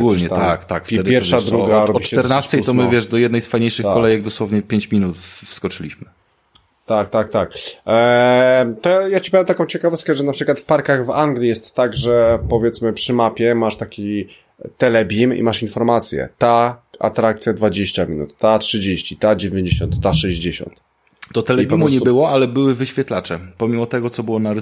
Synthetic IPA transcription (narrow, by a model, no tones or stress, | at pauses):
ɡulɲɛt̪at̪akt̪akftɛd̪pʲjɛɾfʂad̪ɾuɡaɾɔbbiɛɾnasɛjt̪ɔmɨvjɛʂd̪ɔjɛd̪nɛjsfajɲejʂɘxkːɔlɛjɛɡ̚d̪ɔswɔvɲɛpʲjeɲt͡ɕmʲinut̪fskɔt͡ʂɘlʲiɕmɘ | t̪ak̚t̪ak̚t̪ak̚ | t̪ɔjajat͡ɕi̥pɔjɛmt̪akɔ̃w̃t͡ɕɛkavɔst̪̚kɛʐɛnapʂɘkwat̪fpaɾkaɣvaŋɡlʲijɛst̪ːaɡʐɛpɔvʲjɛt̪smɘpʂɘmapʲjɛmaʂt̪akʲi | t̪ɛlɛbʲimḭmaʂinfɔɾmat̪sʲjɛ̰t̪aʔa̰t̪ɾak̚t̪sʲjad̪vad͡ʑeɕt͡ɕamʲinṵt̪ːatʂɘd͡ʑeɕt͡ɕit̪ad͡ʑevʲẽɲd͡ʑeɕɔ̃nt̪ːaʂɛʑd͡ʑeɕɔ̰̃nt̪ | d̪ɔt̪ɛlɛbʲimuɲɛbɘwɔalɛbɘwɘvɘɕfʲjɛt̪lat͡ʂɛpɔmʲimɔt̪ɛɡɔt̪sɔbɘwɔnaɾ